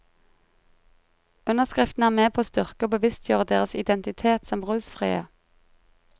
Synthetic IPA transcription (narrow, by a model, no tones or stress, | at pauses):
ʉnəʁskʁɪft̪n̩æːʁmeːpʰoːst̪ʏʁkəoːbəʋɪst̪ʰjuːʁəd̪eːʁəsɪd̪ɛnt̪ɪt̪ʰeːt̪sɔmʁʉːsfʁḭːə̰